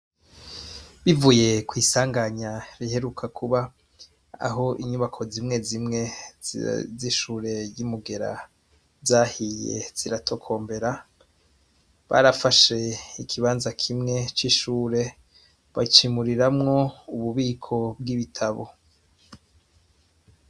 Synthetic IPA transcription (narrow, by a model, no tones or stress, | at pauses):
βivuje̞kwiːsaːŋɡaɲaɾihe̞ɾukʰakʰuβa | a̰ɦo̞ʔiɲuβakʰo̞zimŋe̞zimŋe | ziʃuːɾe̞jimuɡe̞ɾa̰ | zaːhijḛz̥iɾatʰo̞kʰo̞ːmbe̞ɾa | βa̰ɾafaʃe̞ikʰiβaːnzakʰimŋe̞t͡ʃiʃuːɾe̞ | βat͡ʃimuɾiɾamŋo̞uβuβiːkʰo̞bɡiβitʰaβo̞̰